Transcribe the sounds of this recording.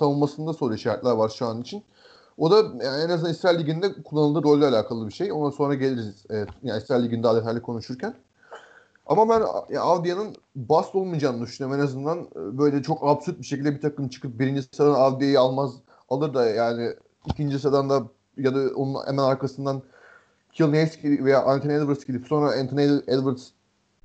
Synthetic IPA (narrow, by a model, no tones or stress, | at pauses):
t̪ʰanɯmmasɯnd̪asolˠijʃajt̪lʲæɾvaɾʃuanɯnit͡ʃʰin | o̞d̪aaenaznanisɾalʲːiɟʲind̪ɛkʰulˠːanɯlˠd̪ɯːɾo̞lʲːaːlʲaːkʰalˠɯbiʃe̞jo̞nd̪anso̞nɾaɟe̞lʲiɾiiz̥ɛɛjaːnisɾalʲːiɟind̪aːd̪et̪ʰajlʲikʰo̞nuʃuɾcʰæn | a̰mabænjaavd̪ijanɯn | bast̪olˠmijd͡ʒaːmd̪yʃynjomenazɯnd̪anːbø̞jlʲɛt͡ʃʰo̞kabsyɾt̪̚biʃecilʲd̪ɛbit̪ʰakɯmt͡ʃʰɯ̥kʰɯp̚biɾind͡ʒissad̪anavd̪ijajialˠmaz | alˠɯɾd̪ajaːnɪ | icʰind͡ʒisad̪and̪a | jad̪ao̞̰nunḛmænaɾkasɯnd̪an | cʰilˠnejsciivejaːʔant̪ʰined̪vɯɾscʲilʲipso̞nɾaɛnt̪ʰnɛd̪vɯɾs